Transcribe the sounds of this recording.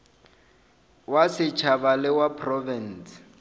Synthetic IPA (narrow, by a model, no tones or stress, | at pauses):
wasɪt͡ʃʰabalɪwapʰrɔvɛns